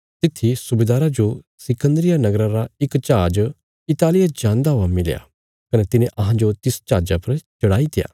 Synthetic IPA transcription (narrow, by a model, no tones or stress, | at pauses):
t̪ɪt̪ʰːisʊbeːd̪aːɾad͡ʒo | sɪkə̃nd̪ɾɪjanɐɡɾãɾaɪkt͡ʃaːd͡ʒ | ɪt̪aːlɪjad͡ʒãːnd̪aɦʊamɪlja̰ː | kɐnet̪ɪnẽʔɐɦãd͡ʒot̪ɪst͡ʃaːd͡ʒapɐɾt͡ʃɐɽaːit̪ɪja̰ː